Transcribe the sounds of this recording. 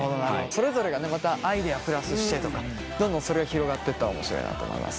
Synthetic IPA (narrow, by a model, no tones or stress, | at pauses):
ɦod̪onaɾodso̞ɾe̞zo̞ɾe̞ɡane̞mat̪aʔaid̪e̞apɯ̟ɾasɨɕi̥t̪e̞t̪o̞ka | d̪õnd̪õso̞ɾe̞ɡaçiɾo̞ɡat̪ːe̞t̪ːao̰mo̞̰ɕiɾo̞̰ḭna̰t̪o̰ːmo̰ḭma̰sɨ̥